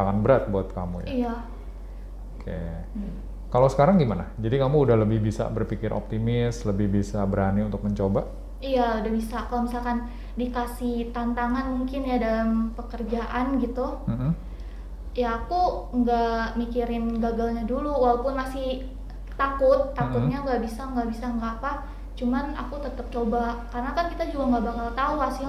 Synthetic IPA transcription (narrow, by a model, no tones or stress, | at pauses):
aŋanbəɾat̪̚buat̪̚ka̰mṵjaija | okʰḛ | kalosə̥kaɾaŋɡimana̰d͡ʒadikamuːdahləbɪhbisa̰bərpikɪɾʔo̰p̚t̪imɪsləbɪhbisabəɾaniunt̪ʊk̚məɲt͡ʃoba | ijaudahbisakalomisalkan | dikasiht̪ant̪aŋanmuŋkɪnjadalampəkərd͡ʒaʔanɡit̪um̩m̩ | jaːkuŋɡamikiɾɪnɡaɡalɲaduluwalapʊnmasɪh | t̪akʊt̪ːakʊt̪̚ɲaŋɡaʔbisaŋɡaʔbisaŋɡapa | t͡ʃumana̰kut̪ət̪əp̚t͡ʃobakarənakankit̪ad͡ʒuɡaŋɡaʔbakalt̪auasɪ